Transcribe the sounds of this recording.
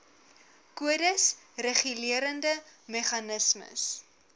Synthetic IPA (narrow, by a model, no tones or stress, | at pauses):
kuədəs | reχyliəɾəndəmɛχɐnəsmə̰s